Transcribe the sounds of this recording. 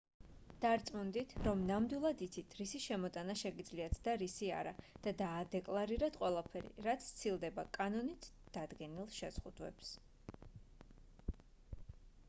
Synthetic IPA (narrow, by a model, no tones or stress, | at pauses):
d̪̥aɾt̪sʼmund̪it̪ʰɾɔmnamd̪wilˠad̪it̪sʰit̪ʰɾisiʃɛmɔt̪ʼanaʃɛɡid̪zliat̪ʰd̪aɾisia̰ɾa̰d̪̥ad̪aːd̪ɛkʼlˠaɾiɾat̪ʰqʼwɛlˠapʰɛɾḭɾat̪sʰt̪sʰilˠd̪ɛbakʼanɔnit̪ʰd̪̥ad̪ɡɛnilˠʃɛzʁud̪̥wɛ̰ps